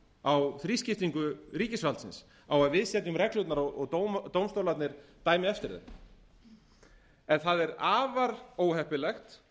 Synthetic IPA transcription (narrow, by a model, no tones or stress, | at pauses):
awθɾiːscɪft̪iŋkʏriːcɪsvalt̪sɪns | awaðvɪðsjɛt̪nʏmɾɛklut̪naɾɔɣɔɣt̪owmt̪owmst̪owlat̪nɪɾt̪aːjmɪɛft̪ɪɾðɛ̰ | ɛnθaðɛɾaːvaɾoːwɦɛhpɪlɛxt̪